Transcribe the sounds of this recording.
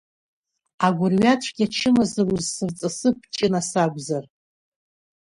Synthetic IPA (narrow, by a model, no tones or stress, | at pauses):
aɡʷʊrɥat͡ʃʷʰɡʲat͡ʃʰɪmazɨruzsɨrt͡sʼɨsɨp̚ʰt͡ʃʼɪnasaɡʷzar